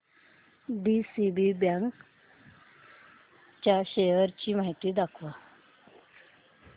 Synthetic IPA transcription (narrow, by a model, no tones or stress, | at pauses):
ɖisibibjaŋk | t͡ɕjaɕejəɾt͡ɕimaɦit̪id̪akʰʋa